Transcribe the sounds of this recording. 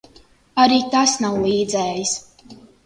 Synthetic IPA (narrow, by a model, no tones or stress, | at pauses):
aɾiːt̪asnawlˠiːd̪zɛːjis